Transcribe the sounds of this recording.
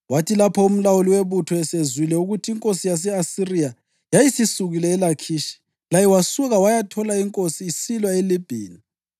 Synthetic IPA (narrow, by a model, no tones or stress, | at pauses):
watʰilapʰɔum̩lawuliweβutʰɔɛsezwilɛuɣutʰiːŋkʼosijas̬ɛasirija | jajisisuɣilɛːlakʰiːʃi̥ | lajɛwasuɣawajatʰɔlaiŋkʼosiːsilwaelib̥ʱḭːni